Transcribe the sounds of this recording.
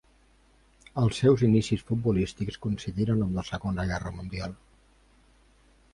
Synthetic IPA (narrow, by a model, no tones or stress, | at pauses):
əlˠsːɛwzinisisfut̪̚bulist̪ikskunsiðiɾənəmləsəɣonəɣɛrəmund̪ialˠ